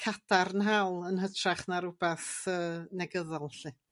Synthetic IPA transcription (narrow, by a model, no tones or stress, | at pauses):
kʰatʰarnɦawlˠənɦətʰraχnaɾʊbɛθəːnɛɡəðɔlˠɬɨ